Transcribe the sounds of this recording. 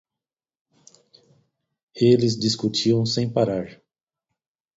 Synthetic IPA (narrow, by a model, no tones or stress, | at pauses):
elɪzdiskut͡ʃiɐ̃w̃sẽj̃paɾaɾ